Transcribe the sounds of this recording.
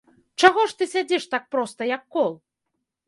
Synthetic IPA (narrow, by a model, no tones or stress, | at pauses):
t͡ʂaɣɔʂt̪ɨsʲad͡zʲɛʂt̪ak̚pɾɔst̪ɐjɐkːɔlˠ